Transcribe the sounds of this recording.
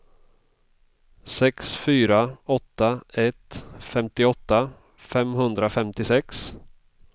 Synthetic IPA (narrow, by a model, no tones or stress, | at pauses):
sɛksfyːɾaɔt̪ːaɛt̪fɛmt̪ɪɔt̪ːa | fɛmɦɵnd̪ɾafɛmt̪ɪsɛks